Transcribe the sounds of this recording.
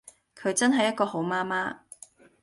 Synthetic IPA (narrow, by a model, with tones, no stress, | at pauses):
kʰɵ˨˧ɥt͡sɐ˥nɦɐ˨jːɐ˥t̚kɔː˧ho˨˥wmaː˥maː˥